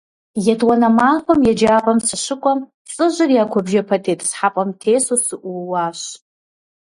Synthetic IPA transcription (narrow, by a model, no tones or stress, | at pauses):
jadwanamaħʷamjad͡ʒapʼamsaʂʷɨkʷʼam | t͡sʼɨʒʷariakʷʰabʒapʰatʰetʼsħapʼamtʰesusɨʔuwaʃʷ